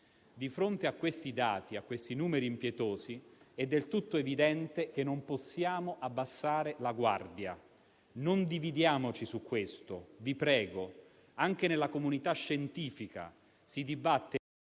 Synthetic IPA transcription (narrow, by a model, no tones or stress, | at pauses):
d̪ifɾont̪eakːwest̪id̪aːt̪iakːwest̪inuːmeɾiːmpjɛt̪oːziɛd̪ːelt̪ut̪ːoevid̪ɛnt̪ek̟enːomposːjaːmoʔabːasːaːɾelaɡwa̰rd̪ja | nond̪ivid̪jaːmot͡ʃisukːwest̪ovipɾɛːɡo | aŋk̟enelːakomunit̪aʃːent̪iːfika̰ | sid̪ibat̪ːe